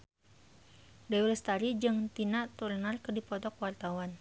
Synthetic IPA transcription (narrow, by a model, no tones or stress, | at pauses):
dawlɛst̪aɾid͡ʒɨŋt̪inaʔt̪urnarkərdipɔt̪ɔkwart̪awan